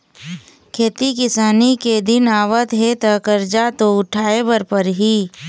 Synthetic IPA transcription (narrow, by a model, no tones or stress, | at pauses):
kʰeːt̪ikɪsaːniked̪ɪnaːʋət̪ɦet̪ɐkəɾd͡ʒat̪oʊʈʰaːebəɾpəɾɦiː